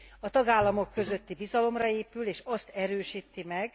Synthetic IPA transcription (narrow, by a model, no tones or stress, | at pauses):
ɒt̪ɒɡaːlːɒmo̞kːø̞zø̞t̪ːibizɒlo̞mrɒeːpyleːʃɒst̪ɛɾøːʃiːt̪ːimɛɡ